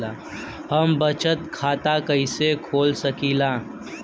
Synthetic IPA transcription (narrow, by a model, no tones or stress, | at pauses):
a | həmbət͡ʃət̪kʰaːt̪akəɪsekʰoːlsəkiːlaː